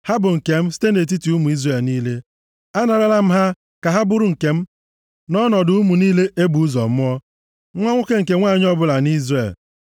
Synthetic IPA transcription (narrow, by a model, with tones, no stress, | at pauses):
ha˦bʊ˨ŋ̩˨ke˨m̩˦si̥˦te˦ne˨t̬i˦ti˨u˦mu˨i˦zre˨lniː˦le˦ | a˦na˨ɾa˦la˦m̩˦ɦa˦ | ka˨ɦa˦bʊ˦ɾʊ˨ŋ̩˨ke˨m̩˦ | nɔ˦nɔ˨dʊ˨˦u˦mu˨niː˦le˦ʔe˦bu˨u˦zɔ̰˨mʊ˦ɔ˦ | ŋʷɔ˦ŋʷʊ˦ke˦ŋ̩˨ke˨ŋʷaː˦˨ɲ˦ɔ˦bʊ˦la˨ni˦zre˨l